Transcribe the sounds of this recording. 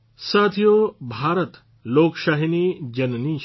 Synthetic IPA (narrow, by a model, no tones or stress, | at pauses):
saːt̪ʰijoːbʱaːɾət̪ | loːkʃaːɦiniːd͡ʒɐnniː